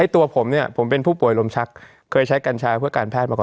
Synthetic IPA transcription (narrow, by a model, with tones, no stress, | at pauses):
a˥˩jt̪u˧ɐpʰo˩˦mni˥˩ɐpʰo˩˦mpe˧npʰuː˥˩pu˨˩əjlo˧mt͡ɕʰa˦˥kʰː | ɤː˧jt͡ɕʰa˦˥jka˧nt͡ɕʰaː˧pʰɯ˥˩ɐkaː˧npʰɛː˥˩t̪̚ma˧kɔː˨˩